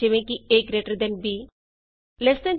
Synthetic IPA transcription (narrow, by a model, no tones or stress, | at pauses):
iʋẽkieːkɾeʈəɾd̪enbi | lest̪ẽn